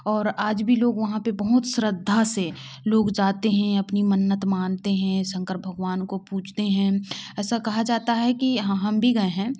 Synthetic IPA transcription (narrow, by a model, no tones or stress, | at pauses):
ɔːɾaːd͡ʒbʱiloːɡʋɐɦãpebɐɦʊt̪sɾəd̪ʱːase | loːɡd͡ʒaːt̪eɦɛ̃ɐpnimənːət̪maːnt̪eɦɛ̃sɐ̃ŋkəɾ̚bʱɐɡʋaːnkopuːt͡ʃʰt̪eɦɛ̃ɛːsakɐɦad͡ʒaːt̪aɦɛkiɦɦɐmbʱiɡɐeɦɛ̃ː